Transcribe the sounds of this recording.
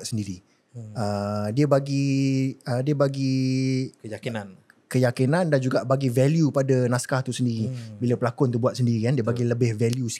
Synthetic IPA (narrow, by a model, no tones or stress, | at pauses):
t̪̚səndiɾi | ədiəbaɡi | ədiəbaɡi | jainan | kəjakinãndand͡ʒuɡaʔbaɡivɛljupadanaskaht̪usəndiɾibiləpəlakʊnt̪̬ubuat̪̚səndiɾikandiəbaɡiləbɪhvɛljus